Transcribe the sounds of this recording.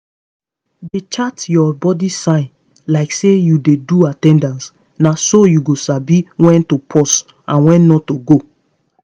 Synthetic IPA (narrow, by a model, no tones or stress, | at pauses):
det͡ʃatjɔbɔdisãɪ̃n | laɪksejudeduatɛ̃ndãns | nasojuɡosabiwɛ̃ntopʰɔs | ãnwɛ̃nːɔtoɡo